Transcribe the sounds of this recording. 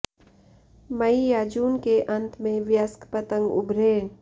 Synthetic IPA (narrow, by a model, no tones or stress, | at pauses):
mɐijaːd͡ʒuːnkeʔɐ̃nt̪mẽʋjəskpət̪ə̃ŋɡʊ̰bʱɾeː